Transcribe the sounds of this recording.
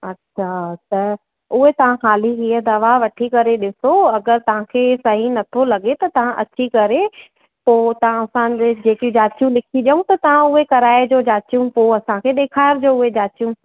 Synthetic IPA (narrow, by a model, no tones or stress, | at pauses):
ɐtːɕʰasɐ | ʊɦet̪ɐʋ̤ãxaːliɦiəd̪ɐʋaʋɐʈʰikɐɾeɗɪsoɐɡəɾt̪ɐʋ̤ãkʰeːsɐɦinɐt̪ʰolɐɠet̪ɐt̪ɐʋ̤ãʔɐ̰t͡ɕikɐɾe | poːt̪ɐʋ̤ãɐsãd͡ʑed͡ʑeːkiũd͡ʑaːt͡ɕijũlɪkʰiɗjəũt̪ɐt̪ɐʋ̤ãʊɦekɐɾaːɪd͡ʑoːd͡ʑaːt͡ɕijũpoːɐsãkʰeːɗeːkʰaːɪɾd͡ʑoːʊɦed͡ʑaːt͡ɕijũ